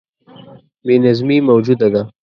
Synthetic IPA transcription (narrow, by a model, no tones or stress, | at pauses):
minɐzmimɐwd͡ʒud̪ɐɡa